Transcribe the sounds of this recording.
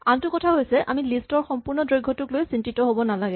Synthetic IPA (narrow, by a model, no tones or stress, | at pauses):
antʊkɔtʰaɦojsɛʔʔa̰milistɔɹxɔmpuɹnɔdɹojɡʱːɔtuklojsintitɔɦobɔnalaɡɛ